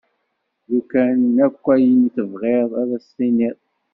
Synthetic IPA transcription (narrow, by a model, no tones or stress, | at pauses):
ðukænːækʷːæjənθəvʁeðˤæðæsːiniðˤ